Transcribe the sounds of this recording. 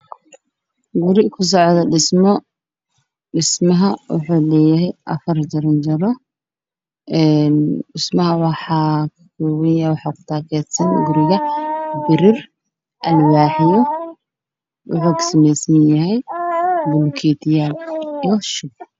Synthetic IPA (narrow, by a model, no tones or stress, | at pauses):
ɡʊɾɪkʰʊs̬ɔʕd̪ɐɖɪsmɔ | ɖɪsmɐɦɐwʊ̰ħuːlɛːjɪɦɛjʔɐfɐrd͡ʒɐɾɪnt͡ʃɐɾɔ | ʔɛnɖɪsmɐɦɐwɑħɑːkʰɐ̥kuwɐnjɐjwɑħɑːkʰʊ̥t̪ʰaːkʰɛːd̪sɐnɡʊɾɪɣɐbɪɾɪr | ʔɐlwɑːħɪjɔ | wʊ̰ħuːksɐmɛjsnjɐɦɛjbʊlkʰiːt̪ʰɪjaliʃʊb